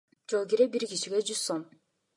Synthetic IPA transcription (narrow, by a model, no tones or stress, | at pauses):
d͡ʒolˠɡiɾebiɾkiʃiɡʲed͡ʒyz̥som